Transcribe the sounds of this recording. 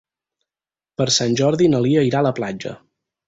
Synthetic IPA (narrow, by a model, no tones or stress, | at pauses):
pəɾsanʲʒɔɾðinəliəiɾaləplad͡ʒə̰